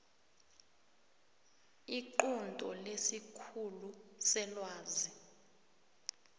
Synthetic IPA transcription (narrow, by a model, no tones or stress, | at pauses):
iǃundʼɔlesikʰulusɛlwaːzi